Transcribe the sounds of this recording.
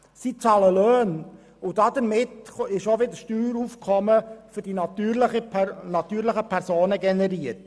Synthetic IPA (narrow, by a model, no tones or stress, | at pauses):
sit͡sɑləløːn | ʊd̥ɑdəɾmɪtɪʃoʋɪdəʃtyːɾufkʰχɔməfʏɾdinɑt̪yːɾləχənɑt̪yːɾləχəpʰæɾzoːnəɡɛnɛɾiəɾt